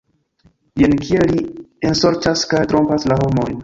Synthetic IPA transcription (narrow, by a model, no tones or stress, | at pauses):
jenkʰielːienso̞ɾt͡ʃaskajtɾo̞mpaslaɦo̞mo̞jn